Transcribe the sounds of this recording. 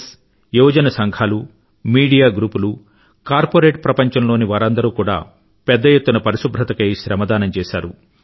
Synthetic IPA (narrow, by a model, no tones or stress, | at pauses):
s | juːd͡ʒɐnɐsɐŋɡʱaːlu | miːɽijaːɡɾuːpulu | kaːɾpoɾeːʈpɾɐpɐɲt͡ʃɐmlo̞ːniʋaːɾɐnd̪ɐɾuːkuːɽa̰ː | pɛd̪ːɐjet̪ːunɐpɐɾiʃubʱɾɐt̪ɐkɐjʃɾɐmɐd̪aːnɐmt͡ʃɛːʃa̰ːɾṵ